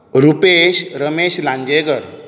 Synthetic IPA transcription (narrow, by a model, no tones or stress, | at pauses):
ɾupeɕɾəmeɕlãɲd͡ʑeɡəɾ